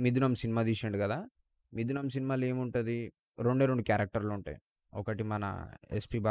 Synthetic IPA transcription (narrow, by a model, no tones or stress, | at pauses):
mid̪unaːmsinimaːd̪iːʃɐɳɖikɐd̪aː | mid̪unaːms̬inimaːle̞ːmuɳʈund̪i | ɾeɳɖeːɾoɳɖukjaːɾɐk̚ʈɐɾloːuɳʈa̰ːj | ɔkɐʈimɐnɐ̰ḛspiːbaː